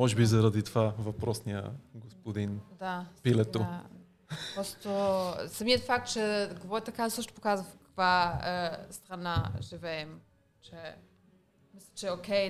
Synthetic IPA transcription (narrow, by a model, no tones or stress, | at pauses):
ɔʒbizaɾad̪it̪vavɐpɾɔsniə̰ɡospod̪ind̪apilɛt̪ua | pɾɔst̪osɐmiɛt̪fak̚t̪̚t͡ʃɛɡvɔɛt̪ɐkasəʃno̥pokazɐfkɐ̥kva | st̪ɾɐnaʒivɛɛm | t͡ʃɛ | mislʲit͡ʃɛɛokʲɛj